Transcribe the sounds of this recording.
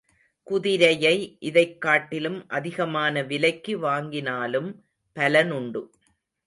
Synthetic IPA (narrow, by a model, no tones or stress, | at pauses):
kʊðɪɾɐjɐɪʔɪðɐɪkːaːʈːɪlɯmʔɐðɪɣɐmaːnɐʋɪlɐɪkːɯʋaːŋɡɪnaːlɯm | pɐlɐnʊɳɖɯ